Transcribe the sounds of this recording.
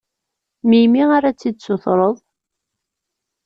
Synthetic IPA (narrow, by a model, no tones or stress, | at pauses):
mijmiaɾat͡sːid̪̚soθɾˤəðˤ